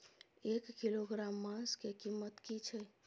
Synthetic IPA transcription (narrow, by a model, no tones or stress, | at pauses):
ekːiloɡɾamːãskekimːət̪kit͡ʃʰɛ